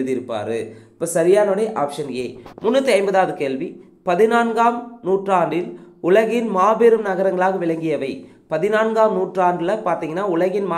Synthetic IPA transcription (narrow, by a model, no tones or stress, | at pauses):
ɯðɪɾɯpːa̰ːɾɯ̰ɪpːoːsɐɾɪjaːnoɽɐɪʔaːpʂɐnjeːmʊnːɐt̪ːɯɐɪmbɐðaːʋɯkeːɭʋi | pɐðɪnaːnɡaːmnuːʈraːɳɖɪlʊɭɐɣɪnmaːbeːɾɯmnɐɣɐɾɐŋɡɐɭaːɣɐʋɪɭɐŋɡɪjɐʋɐɪ | pɐðɪnaːnɡaːmnuːʈraːnɖɪlɐpaːɾt̪iːŋɡɐnːaːʊɭɐɣɪnmaː